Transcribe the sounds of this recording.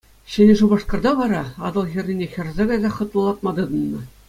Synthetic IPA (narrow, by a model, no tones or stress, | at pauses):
ɕĕnʲʐubɑ̆ʂkɤ̆rd̪ɑʋɑɾɑɑd̪ɤ̆lˠɣʲĭrʲnʲinʲexʲɘ̆rzʲɑɡɑjzʲɑχɤ̆t̪lˠɤ̆lˠɑt̪mɑd̪ɤ̆d̪ɤ̆nːɤ̆